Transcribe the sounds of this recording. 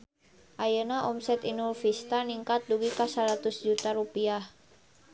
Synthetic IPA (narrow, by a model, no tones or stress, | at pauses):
ʔajənaʔɔmsɛt̪inulfist̪aniŋkat̪̚duɡikasaɾat̪ʊsd͡ʒut̪aɾupiah